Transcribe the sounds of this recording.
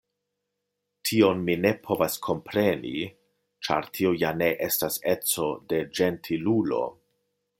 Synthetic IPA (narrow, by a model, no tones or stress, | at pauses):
tʰio̞nmine̞pʰo̞vaskʰo̞mpɾe̞nḭ | t͡ʃa̰ɾtʰiojane̞ʔe̞stase̞t͡so̞de̞d͡ʒe̞ntʰilulo̞̰